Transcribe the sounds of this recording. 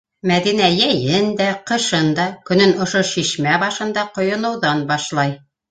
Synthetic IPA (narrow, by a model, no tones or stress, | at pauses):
mæðinæjæjɘnd̪æqɤ̆ʃɤnd̪ɑkɵ̆nɘnŏʃoʃiʃmæbɑʃɤ̆nd̪ɑqŏjŏnɤ̆wðɑnbɑʃlˠɑj